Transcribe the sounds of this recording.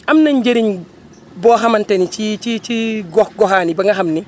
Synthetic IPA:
amnaɲd͡ʒeɾiɲ | bɔːɦamantenit͡ʃit͡ʃit͡ʃiɡɔhɡɔɦaːnibaŋɡaɦamni

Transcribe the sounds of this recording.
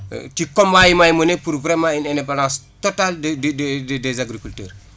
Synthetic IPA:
tikombajimajmənepuɾvɾɛmãinendepalãːs | totaldddddɛzaɡɾikultɛ̰ːr

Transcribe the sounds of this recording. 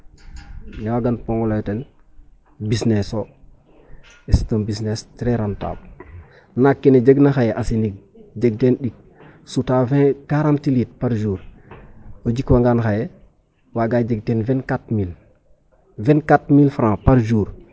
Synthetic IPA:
nɛwaɡanpõŋɡɔlajten | bisneso | istombisnestɾɛɾanta̰b̚ | nakːined͡ʒeɡnaxajeʔasiniɡ̚ | ɟeɡ̚tenɗik̚ | sutavɛ̃kaɾãntiliːt̚paɾd͡ʒuːɾ | od͡ʒikwaŋɡanxaje | waɡad͡ʒeɡ̚tenvɛnkatmil | vɛnkatmilfɾãːpaɾd͡ʒuːɾ

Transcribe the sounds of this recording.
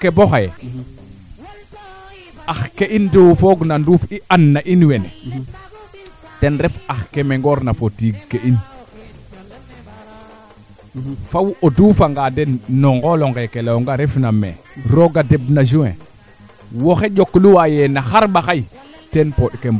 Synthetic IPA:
keboxaje | axkeindowfoɡnanɾuːfiʔanːaʔinwenḛ | tenɾefaxkemeŋɡoɾnafotiɡkeʔin | fawodufaŋɡadenːoŋɡoloŋɡekelaoŋɡaɾefnamḛ | ɾoɡadebnad͡ʒ̬uŋḛ | woxed͡ʒokːluwajenaxaɾɓaxaj | tenpoɗkemb

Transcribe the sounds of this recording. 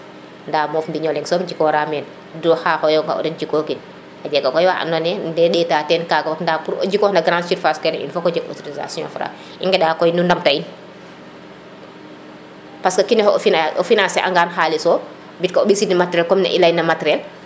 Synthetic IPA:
ndaːmɔfmbiɲɔlɛŋsɔmd͡ʒikɔɾamɛːn | dɔhaːhɔjɔŋka̰ɔ̰dɛd͡ʒikɔkin | ʔad͡ʒɛɡakɔjwaʔa̰nɔnɛndɛɗɛːtaːtɛnkaɡawatndapuɾɔ̰d͡ʒikɔːhnaɡɾãnsiɾfaskɛnɛʔḭnfɔkɔd͡ʒɛkɔ̰toɾiza̰sijɔ̰̃ːfɾa̰ | ʔiŋɡɛɗaːkɔjnundamtain | paskɐkinɛhɔɔfinaɔfinansɛʔa̰ŋɡaːnxaːlisɔ | bitkaɔbisidnimatɛɾɛlkɔmnɛ̰ʔḭlajnɐmatɛɾɛl

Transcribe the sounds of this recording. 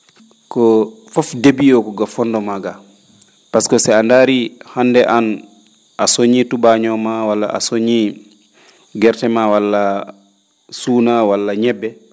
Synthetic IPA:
kɔ | fɔfdebiɔkɔɡafɔndɔmaɡa | paskɔsɛandaɾihandɛʔan | ʔasoɲitubaɲɔmawalːaʔa̰soɲi | ɡɛɾtɛmawalːa | suːnawalːaɲɛbːɛ

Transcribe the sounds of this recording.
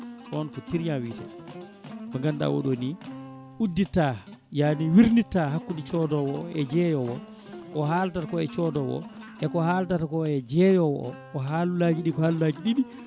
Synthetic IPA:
kɔɔnfɔtiɾɲawiːta̰ | bɔŋɡanɗa̰wo̰ɗoni | ʔudːitajaniwiɾnitaɦakːundit͡ʃɔdɔwɔɛd͡ʒɛjɔwɔ̰ | ʔɔɦaːltatakɔɛt͡ʃɔdɔwɔ̰ | ʔɛkɔhaltatakɔɛd͡ʒɛjɔwɔɔ̰ʔɔɦalulaɡiɗikɔhalulaːɡiɗiɗi

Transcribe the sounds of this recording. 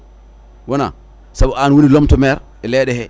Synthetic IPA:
wɔna̰ | sabɔanwonilɔmtɔmɛɾ | ɛlɛɗɛhɛ

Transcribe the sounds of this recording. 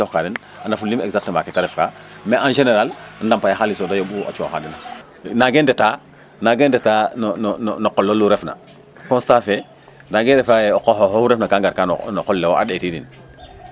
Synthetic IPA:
ɔkadin | anafulːimɛ̰ɡzak̚tmakitaɾɛfka | mɛʔanʒeneɾalndampajaxalisodajoɓua̰t͡ʃuo̰xa̰dina | naɡendɛta | naɡendɛtannnnɔkːɔlːoluɾɛfna̰ | kɔ̃nstafe | naɡɛɾɛfajɛɔkɔhohohuɾɛfnakaŋɡaɾkan̰nɔkɔlːewoʔa̰ɗetidin

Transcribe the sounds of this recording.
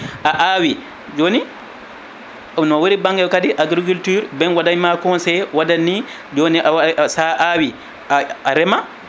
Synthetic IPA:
ʔaʔawi | d͡ʒoni | nɔwoɾibaŋɡɛlkadiʔaɡɾik̬ultyːɾbɛnwadaɲmakɔnsɛwadanːi | d͡ʒoniʔaasaʔawi | aaɾɛma

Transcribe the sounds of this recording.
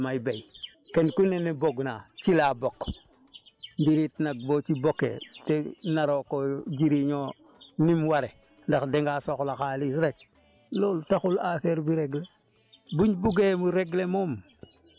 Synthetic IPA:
majbejkenkuneneboɡnat͡ʃilabok | mbiɾitnaɡ̚boːt͡ʃibokḛtenaɾokod͡ʒiɾiɲo | nimwaɾe | ndaxdeŋɡasoxlaxalisɾet͡ʃ̚ | loltaxulafeɾbiɾeɡle | buɲbuɡemuɾeɡlemom

